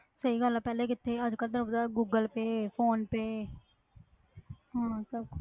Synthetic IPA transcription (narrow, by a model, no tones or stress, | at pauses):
səiːɡəlaːpɛːleːkɪt̪ʰːeːəd͡ʒkəld̪ɪnʊpd̪aːɡuːɡəlpeːpʰoːnpeː | ɦãːsəb